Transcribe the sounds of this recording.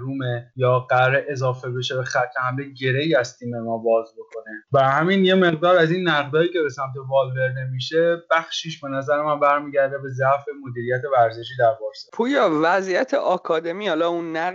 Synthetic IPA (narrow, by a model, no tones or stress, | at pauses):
ɾuːmejɒːɢæɾeʔezɒːfe̞be̞ʃebexæt̪ʰːehæmleɟe̞ɾe̞iæst̪ʰiːmemɒːbɒːzbo̞kʰo̞nebæɾhæminje̞me̞ɣd̪ɒːɾæziːnːæʁd̪ɒːiːcʰe̞be̞sæmt̪ʰe̞vɒːlveɾd̪e̞miːʃeb̥æχʃiːʃbe̞næzæɾemænbæɾmiːɟæɾd̪ebe̞zæʔfe̞mo̞d̪iːɾijæt̪ʰe̞væɾze̞ʃ̬iːd̪æɾbɒːɾspʰuːjɒːvæzijæt̪ʰḛʔɒkʰɒːd̪emiːhɒːlɒunːæ